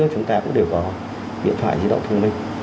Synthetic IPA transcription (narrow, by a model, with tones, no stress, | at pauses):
ək̚t͡ɕʊ˨˦ŋ͡mt̪aː˧kʊ̰˧˥ŋ͡mɗe˧˩wkɔ˨˦ | ɗḭ˧˨nt̪ʰwaː˧˨jzɨ̰˧˥ɗə̰˧˨wŋ͡mt̪ʰɨ˧ŋmï˧ŋ̟